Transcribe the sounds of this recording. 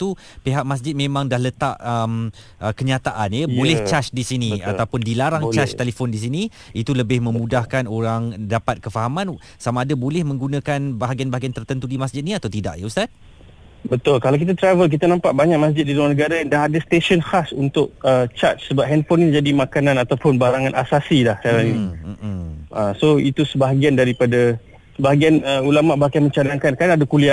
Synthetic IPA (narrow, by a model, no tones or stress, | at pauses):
t̪u | peɦak̚mas̬d͡ʒɪt̪̚mẽmãŋdahlət̪aʔəm | ʔəkəɲat̪aʔanjəbolɛht͡ʃat͡ʃdisiniaat̪awpʊndilaɾaŋt͡ʃat͡ʃt̪elefondis̬ini | it̪uləbɪhmə̃mũdahkanoɾaŋdapat̪̚kəfaɦamãn | samaːdabolɛhmə̃ŋɡunakanbaɦaɡianbaɦaɡiant̪ərt̪ənt̪udimasd͡ʒɪt̪̚niat̪awt̪ida̰ʔjəust̪at̪̚ | bət̪ʊlkalawk̬it̪at̪ɾavəlk̬it̪anãmpaʔbaɲak̚mas̬d͡ʒɪt̪̚diluanəɡaɾadaadast̪eʃɔnhasunt̪ʊk̚ət͡ʃat̪̚səbap̚ɦɛnfɔnid͡ʒadimakanãnat̪awpʊnbaɾaŋãnʔasasilahkaɾaniim̩ʔəsoit̪usəbaɦaɡiandaɾipada | səbaɦaɡianəulamaʔbaɦaɡamə̃ɲt͡ʃadaŋkankanadakulia